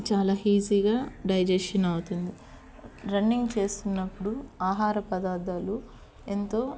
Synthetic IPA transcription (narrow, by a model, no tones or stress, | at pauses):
t͡ʃaːlaːhiːziːɡaːɖɐjd͡ʒesʂɐnɐwut̪und̪i | ɾɐnːiŋɡt͡ʃe̞ːst̪unːɐpːuɽuaːɦaːɾɐpɐd̪aːd̪aːlu | ent̪o̞ː